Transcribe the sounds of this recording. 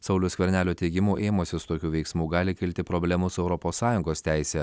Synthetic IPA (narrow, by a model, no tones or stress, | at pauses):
sɐʊlʲʊsʲkʲʋʲɛɾʲnʲæːlʲoːt̪ʲɛɪɡʲɪmuːʔeːmoːsʲɪsʊt̪oːkʲuːʋʲɛɪksmuːɡɑːlʲɪkʲɪlʲt̪ʲɪpɾɔbʲlʲɛmʊsɛʊɾɔpoːsːɑːjʊŋɡoːst̪ʲæɪsʲɛ